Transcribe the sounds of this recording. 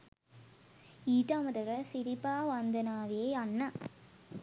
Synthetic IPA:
iːʈːaːmɐd̪ɐɾɐsɪɾɪpːaːʋand̪ɐnaːʋeːɐnːɐ

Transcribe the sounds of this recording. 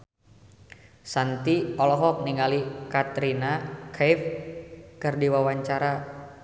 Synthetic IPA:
sant̪iɔlɔɦɔk̚niŋalikat̪ɾinakʰɛf | kərdiwawaɲt͡ʃaɾa

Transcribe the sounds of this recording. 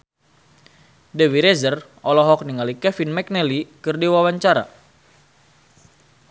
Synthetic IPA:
dɛwiɾɛzərʔɔlɔɦɔk̚niŋalikɛfinmɛk̚nɛlikɨrdiwawaɲt͡ʃaɾa̰

